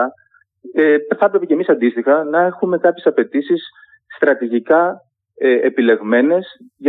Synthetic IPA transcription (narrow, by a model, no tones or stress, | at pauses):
ɐ | eθɐpɾe̞pecemisɐnd̪ist̪ixɐnɐe̞xume̞kɐpçe̞sɐpe̞t̪isisː | t̪ɾɐt̪iʝikɐ | eepile̞ɣme̞ne̞sʝ